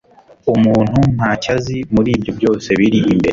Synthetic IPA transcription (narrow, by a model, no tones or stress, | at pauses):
umuːn̥hum̥haːcazimuɾiːbjo̞bjo̞ːse̞βiɾiʔimbe̞̰ɾe